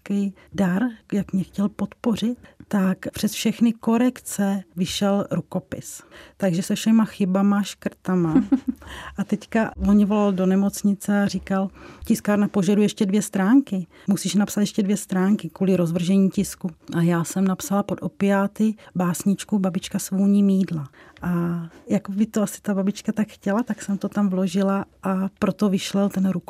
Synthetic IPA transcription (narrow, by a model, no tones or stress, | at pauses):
kɛj | daɾjakmɲɛxcɛlpo̞t̪po̞r̝ɪt̪ːakpr̥ɛsfʃɛxnɪko̞ɾɛkt͡sɛvɪʃɛlɾuko̞pɪst̪aɡʒɛsɛfʃɛmaxɪbamaʃkr̩t̪ama | ʔat̪ɛckavoɲɪvo̞laldo̞nɛmo̞t͡sɲɪt͡sɛarikalcɪskaːɾnapo̞ʒadujɛʃcɛdvjɛst̪ɾaːŋkɪ | musiːʃnapsat̪jɛʃcɛdvjɛst̪ɾaːŋkɪkvuːlɪɾo̞zvr̩ʒɛɲiːcɪskuʔajaːsɛmnapsalapodopɪaːt̪ɪbaːsɲɪt͡ʃkubabɪt͡ʃkasvowɲɪmjiːdlaʔajakobɪt̪oasɪ̥t̪ababɪt͡ʃkat̪akxcɛlat̪aksɛmt̪ot̪amvlo̞ʒɪlaʔapɾot̪o̞vɪʃlɛlt̪ɛnɾuk